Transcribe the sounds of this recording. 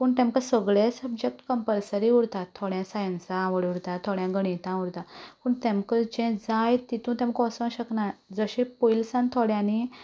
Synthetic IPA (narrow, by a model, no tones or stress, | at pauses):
puːɳt̪ɛ̃mkəsəɡɭesəbd͡ʑek̚ʈkəmpəlsəɾiuɽt̪at̪ʰːɔɽjãsajənsãʋəɽuɽt̪at̪ʰːɔɽjãɡəɳ̃it̪ãuɽt̪apuːɳt̪ɛmkəd͡ʑɛ̃d͡zajt̪it̪ũt̪ɛ̃m̤əkɔsə̃ɕəknad͡zəɕepojlsãnt̪ʰɔɽjãni